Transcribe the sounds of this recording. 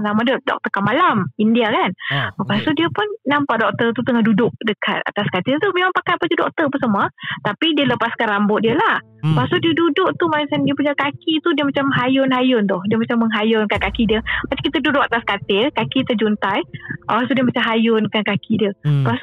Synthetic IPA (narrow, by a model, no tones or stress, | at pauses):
namaddɔ̰k̚t̪əkamalamindiakanpasodiəpʊnːampaʔdɔk̚t̪ərt̪ut̪əŋahdudʊk̚dəkʰa̰t̪̚a̰t̪askat̪ɪrt̪umemaŋpakaapad͡ʒudɔ̰k̚t̪əpəsəmuət̪apidiələpaskanrambʊt̪̚diəlah | pasodiədudʊʔ̚t̪umaisandiəpuɲakakit̪udiəmat͡ʃamɦajʊnɦajʊnt̪ʊhdiəmat͡ʃamːəŋɦajʊnkankakidiəbat͡ʃḁkit̪ədudʊk̚at̪askat̪ɪkakit̪əd͡ʒunt̪ajʔaɾast̪udiəmat͡ʃamɦajʊnkankakʰidiəpas